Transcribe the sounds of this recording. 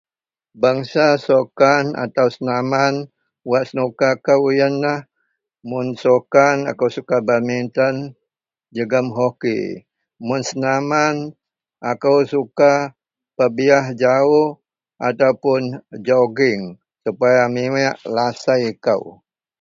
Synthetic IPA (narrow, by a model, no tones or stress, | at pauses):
baŋsasokana̰t̪awsənaman | waʔsənukakawjənːah | mʊnsokana̰kawsukabamint̪ən | d͡ʒəɡəmɦokḭ | mʊnsənaman | akawsuka | pəbiaɦd͡ʒaʊh | at̪awpʊnd͡ʒoɡɪŋ | supajamiwɛʔlasajka̰w